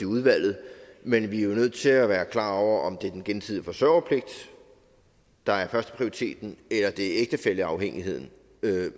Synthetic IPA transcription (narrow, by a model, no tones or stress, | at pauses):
iuð̞ˠʋæl̰ð̞̩ˠmenʋijo̝nøð̞̰ˠt͡sʰe̝læʋæːɐkʰlɑ̰̈ːɒʊ̰ɐʔɒ̽md̥e̝ɐd̥enɡ̥ensið̰ˠəfɒ̽sœɐʊ̰ɐpʰle̝ɡ̥̚d̥ | d̥ɑ̈æɐfɶɐsd̥ə̥pʰʁioʁit͡sʰe̝̰ːd̥n̩elɐd̥e̝eɡ̥̚d̥əfel̰əɑ̈ʊheŋ̰iɦe̝ð̞̰ˠn̩